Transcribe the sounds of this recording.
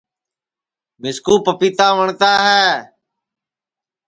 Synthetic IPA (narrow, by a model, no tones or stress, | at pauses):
mɪskuːpəpiːt̪aːʋəɳt̪aːɦɛː